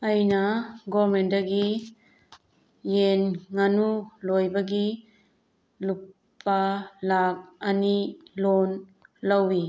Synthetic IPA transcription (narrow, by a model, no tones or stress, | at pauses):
ajnaɡɔmendaɡi | jenŋanulojbaɡi | lup | pːalak̚anilonlawi